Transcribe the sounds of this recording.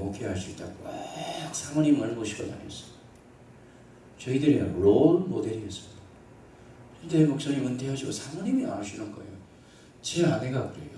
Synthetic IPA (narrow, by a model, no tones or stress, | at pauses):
mokʰeɦaɭs͈uit͈akak̚sʰamʌɲimaɭɡoɕʰiɡʌda̰ɲies͈ʌ̥mi | t͡ɕʌidɯɾenɯɾolmode̞ɾies͈ɯmid | kntemok̚s͈oɲimɯntʰeɦaɕiɡo̰sʰamʌɲimia̰aɕ͈ʰinak͈ajo | t͡ɕeane̞ɡakɯɾe̞̰jo